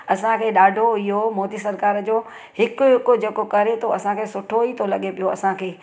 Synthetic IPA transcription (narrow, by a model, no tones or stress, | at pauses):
ɐsãkʰeːɗaːɖʱoɪɦomɔːd̪isɐɾkaːɾd͡ʑoː | hɪkʊɦɪkod͡ʑeːkokɐɾet̪ʰoɐsãkʰeːsʊʈʰoit̪ʰolɐɠepijoɐsãkʰeː